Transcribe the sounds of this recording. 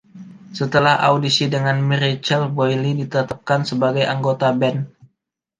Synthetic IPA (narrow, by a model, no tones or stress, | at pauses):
sət̪əlaha̰wdisidəŋanmiɾit͡ʃɛlbojlidit̪ət̪ap̚kansəbaɡajʔaŋɡot̪abɛn